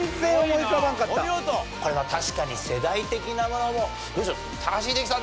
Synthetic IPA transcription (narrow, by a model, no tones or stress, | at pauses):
seomoiab̪ãŋkatoaot̪oko̞ɾe̞β̞at̪aɕi̥kaɲ̟ise̞d̪ait̪e̞kʲinamo̞no̞mo̞ | d̪oːɕo | t̪ʰaaɕ̬iːd̪ekʲi̥t̪ã